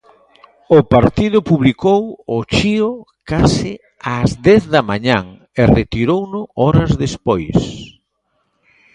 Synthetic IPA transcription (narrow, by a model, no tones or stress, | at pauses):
ʊpaɾt̪ið̞ʊpuβlikowʊt͡ʃiʊ | kasɪ | azd̪ɛθðɐmaɲaŋ | eret̪iɾownʊɔɾɐzðespojs